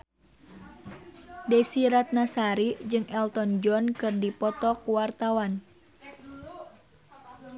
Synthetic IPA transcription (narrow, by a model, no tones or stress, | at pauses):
dɛsiɾat̪̚nasaɾid͡ʒɨŋʔɛlt̪ɔnd͡ʒɔnkɨrdipɔt̪ɔkuwart̪awan